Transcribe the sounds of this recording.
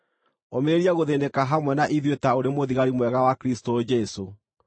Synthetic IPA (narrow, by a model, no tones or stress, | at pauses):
omeɾeɾiaɣoðenekaɦamwɛnaʔiðwetaoɾemoðiɣaɾimwɛɣawakɾistod͡ʒɛso